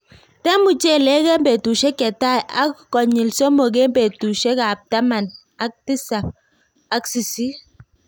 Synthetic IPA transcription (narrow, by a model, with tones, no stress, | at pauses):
tɛ˦mu˨t͡ʃe˦˨lɛ˦kɛ˦mbe˨tu˨ʃɛ˦kɛ˨ta˦˨jʔa̰˦kkːɔ˨ɲi˨lso˦mo˨ɡ̬e˦mbe˨tu˨ʃɛ˦ka˨p̚ta˦ma˨n | a˦k̚ti˦sa˨k̚ | a˨˦ksi˨si˦